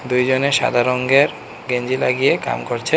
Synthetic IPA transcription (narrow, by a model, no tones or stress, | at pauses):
d̪ujd͡ʑoneʃa̰d̪ʱaɾoŋɡeɾ | ɡeɲd͡ʑilaɡijeka̰mkoɾt͡ɕʰe